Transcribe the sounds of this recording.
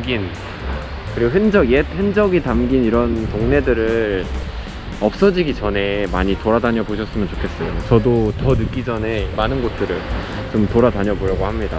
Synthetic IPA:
ɡin | kɯɾiɡoɦɯnd͡ʑʌɡjehɯnd͡ʑʌɡitamɡiniɾʌntoŋne̞dɯɾɯ | ʌp̚s͈ʌd͡ʑiɡit͡ɕʌne̞maɲitoɾadaɲʌboɕʰʌs͈ɯmjʌnt͡ɕo̥kʰe̞s͈ʌjot͡ɕʌdotʌnɯk͈id͡ʑʌne̞manɯnɡot̚t͈ɯɾɯɭ | t͡ɕomtoɾadaɲʌboɾjʌɡohamɲida

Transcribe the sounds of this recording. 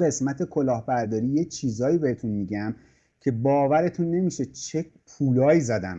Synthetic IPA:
ɡe̞smæt̪ʰe̞kʰo̞lɒːhbæɾd̪ɒːɾiːjet͡ʃʰiːzɒːjiːbehe̞t̪ʰunmiɟæm | cʰe̞bɒːvæɾe̞t̪ʰunːe̞miːʃe̞t͡ʃʰe̞pʰuːlɒːjiːzæd̪æm

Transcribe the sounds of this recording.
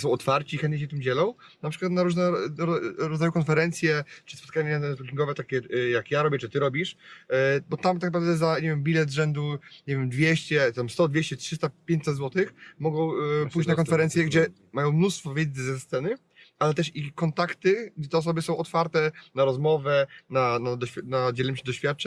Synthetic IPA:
sɔ̃w̃ɔt̪faɾt͡ɕixɛnt̪ɲeɕɛt̪ɘmd͡ʑɛlɔ̃w̃ | napʂɘkwat̪naɾuʐnɛɾɔɾɔd̪zajukɔnfɛɾɛnt̪sʲjɛt͡ʂɨ̥spɔt̪̚kaɲɛzbukʲiŋɡɔvɛt̪akʲɛjakjaɾɔbʲjɛt͡ʂɨt̪ɘɾɔbʲiʂ | bɔt̪amt̪aknapɾavd̪ɛzaɲevjɛmbʲilɛd̪zʐɛnd̪uɲevʲjɛmd̪vʲjeɕt͡ɕɛt̪amst̪ɔd̪vʲeɕt͡ɕɛtʂɘst̪apʲjẽɲt͡ɕʲsɛd̪zwɔt̪ɘxmɔɡɔ̃w̃pujt͡ɕnakɔnfɛɾɛnsjɛɡd͡ʑɛ | majɔ̃w̃mnust̪fɔvʲjɛd̪zɨzɛst̪sɛnɘ | alɛt̪ɛʂikɔnt̪akt̪ɘɡd͡ʑɛt̪ɛɔs̬ɔbɘsɔ̃w̃ɔt̪faɾt̪ɛnaɾɔzmɔvɛnanad̪ɔɕfʲanad͡ʑɛlɘmɕɛd̪ɔɕfʲjat̪̚t͡ʂɛ

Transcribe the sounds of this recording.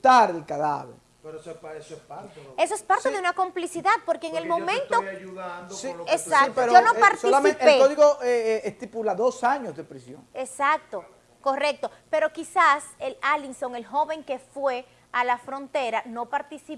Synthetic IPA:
t̪aɾðelkaða̰βḛɾ | esoespaɾtseðe̞unako̞mplisiðað̚po̞ɾkeːŋelmo̞mẽnt̪ouðansiesakit̪oeɾoonopaɾt̪silamẽeekoðiɣoʔeest̪ipulaðosaɲosðepɾisjo̰ŋesak̚t̪o | ko̞re̞k̚t̪o̞pe̞ɾo̞kisaselalinsoŋe̞lɦo̞βe̞ŋke̞fwe̞ | alafɾo̞nt̪e̞ɾano̞paɾt̪isi

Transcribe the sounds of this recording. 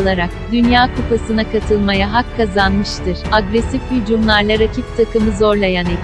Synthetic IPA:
lˠaɾak̚d̪ynjaːkʰupasɯnakʰat̪ʰɯlˠmajaɦakʰːazanmɯʃt̪ʰɯɾ̥aɡɾesifhyd͡ʒumlˠaɾlˠaɾacʰift̪ʰakɯmɯzo̞ɾlˠajaneb̪

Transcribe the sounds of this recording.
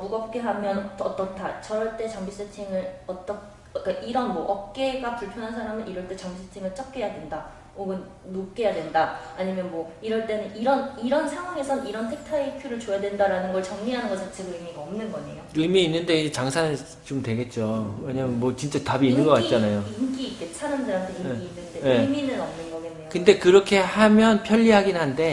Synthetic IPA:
muɡʌp̚k͈e̞ɦamjʌnʌt͈ʌt͈ʰat͡ɕʌɾʌɭt͈e̞t͡ɕʌŋbis͈etʰiŋɯɾʌt͈ʌkʰ | k͈aʔiɾʌnmʌʔʌp̚k͈e̞ɡapuɭpʰjʌnɦansʰaɾamɯniɾʌɭt͈e̞t͡ɕʌŋbis͈ʰetʰiŋɯɭt͡ɕ͈ʌp̚k͈e̞jadwe̞nda | oɡɯnː | op̚k͈e̞jadwe̞ndaːɲimjʌnmwʌiɾʌɭt͈e̞nɯniɾʌniɾʌnsʰaŋɦwaŋe̞sʰʌniɾʌntʰek̚tʰaikʰjuɾɯɭt͡ɕojadwe̞ndaɾanɯnɡʌɭt͡ɕʌŋɲiɦanɯnɡʌɭt͡ɕat͡ɕʰeɡɯɯmiɡaʌmnɯnɡʌɲḛjoɯmiːnːɯnde̞id͡ʑet͡ɕaŋsʰanɯɭ | t͡ɕomtwe̞ɡe̞t̚t͡ɕ͈owe̞ɲamənmwʌt͡ɕint͡ɕ͈atabiːnnːɯnɡʌk͈at̚t͡ɕ͈anajoik͈iːk͈et͡ɕʰanɯndɯɾamtʰeiŋkiːnːɯnt͈ejɯminɯɾʌmnɯnɡʌɡenːejokɯnde̞kɯɾʌkʰe̞hamjʌnpʰjʌʎːiɦaɡinɦande̞

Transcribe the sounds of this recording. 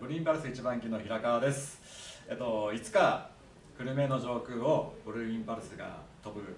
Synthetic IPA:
bɯɾĩmbaɾɯsɨit͡ɕibãŋkʲino̞çiɾakaβad̪e̞sɨ̥ | et̪o̞it͡sɨ̥ka | kɯ̟ɾɯ̟me̞no̞ʑo̞ːkɯ̟ːo̞bɯ̟ɾɯ̟ĩmpaɾɯ̟sɨɡa̰t̪o̞bɯ̟

